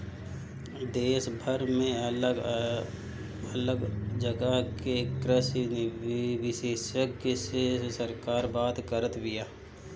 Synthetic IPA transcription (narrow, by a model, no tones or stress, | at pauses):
d̪eːʃbʱəɾmẽə | ələɡd͡ʒəɡəɦkekɾəsinʋɪʃeːʃəkːsesəɾkaːɾbaːt̪kəɾət̪bɪjaː